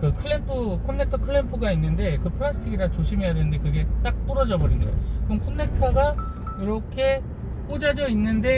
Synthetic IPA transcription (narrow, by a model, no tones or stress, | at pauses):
kɯkʰɯɭːempʰɯkʰonːe̞k̚tʰʌkʰɯɭːempʰuɡainːɯnde̞kɯpʰɯɭasʰɯ̥tʰiɡiɾat͡ɕoɕʰimijadwenɯnde̞kɯɡe̞t͈ak̚p͈ɯɾʌd͡ʑʌbʌɾḭnɡa̰jo̰kɯʌmkʰonːe̞k̚tʰʌɡa | iɾʌkʰe̞ | k͈ud͡ʑad͡ʑʌinːɯnde̞